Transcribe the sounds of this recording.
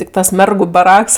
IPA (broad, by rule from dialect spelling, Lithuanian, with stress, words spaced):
ˈtʲɪk ˈtɐs ˈmʲɛrɡʊ bɐˈrɐks